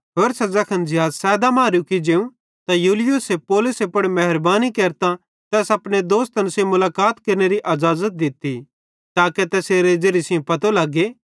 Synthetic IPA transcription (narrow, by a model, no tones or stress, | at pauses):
ɦoːɾsɐzɐkʰɐnd͡ʒɪɦaːzsɛːd̪amãːɾjukid͡ʒeːũ | t̪ajuːlɪjusepoːlʊsepɐɽmɛɦɪɾbaːnikeːɾt̪a | t̪ɛːsɐpɽ̃ed̪oːst̪ɐnsẽmʊlaːkaːt̪kɐɾneɾiʔɐzaːzət̪̚d̪ɪt̪ːi | t̪aːket̪ɛːseːɾed͡ʒeːɾisɪjõpɐt̪olaɡeː